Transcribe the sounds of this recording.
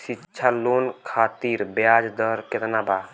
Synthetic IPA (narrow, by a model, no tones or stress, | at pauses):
sɪtːʃʰaloːnkʰaːt̪iːɾbjaːd͡ʒd̪əɾkɪt̪naːbaː